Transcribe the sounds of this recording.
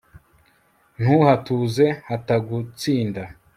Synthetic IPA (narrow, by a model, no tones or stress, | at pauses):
n̥huhatuze̞hataɡut͡siːnda